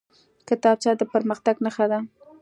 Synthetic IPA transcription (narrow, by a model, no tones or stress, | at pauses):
kɪt̪ɑb̚t͡ʃɑd̪əpəɾməxt̪aɡnəxad̪a